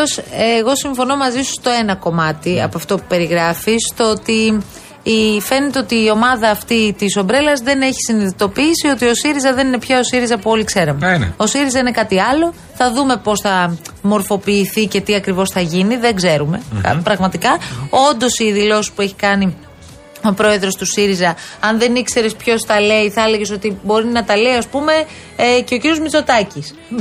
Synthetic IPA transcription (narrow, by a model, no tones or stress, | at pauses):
oseɣo̞siɱfo̞no̞mɐzisu̥st̪o̞e̞nɐko̞mɐt̪iɐ̰poɐft̪o̞pu̥pe̞ɾiɣɾɐfist̪oot̪iː | fe̞net̪eo̞t̪iːo̞mɐðɐːft̪it̪iso̞mbɾe̞lɐzðe̞ne̞çi̥siniðit̪o̞piːsio̞t̪io̞siɾizɐðe̞nine̞pçɐo̞siɾizɐpuo̞likse̞ɾɐmḛo̞siɾizɐine̞kɐt̪iɐlo̞ | θɐðume̞po̞sθɐmo̞ɾfo̞piːθice̞t̪iɐkɾivo̞sθɐʝiniðeɡze̞ɾume̞̰kɐ̰pɾɐɣmɐt̪ikɐo̞nd̪o̞siːðilo̞si̥spue̞çi̥kɐni | o̞pɾo̞e̞ðɾo̞st̪usiɾizɐɐnðe̞nikse̞ɾespço̞sθɐle̞iθɐeleʝes̬o̞t̪ibo̞ɾinɐt̪ɐle̞iɐspume̞ | ce̞o̞ciɾijo̞zmit͡so̞t̪ɐcis